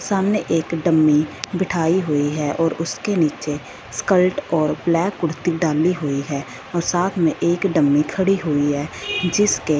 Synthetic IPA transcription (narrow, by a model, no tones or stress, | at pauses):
saːmneʔeːkɖəmːibɪʈʰaːiɦʊiɦɛʔɔːɾʊskeniːt͡ʃe | skəlʈɔːɾblɛːkʊɽ̤t̪iɖaːliɦʊiɦɛː | ɔːɾsaːt̪ʰmẽʔeːkɖəmːikʰəɽiɦʊiɦɛːd͡ʒɪske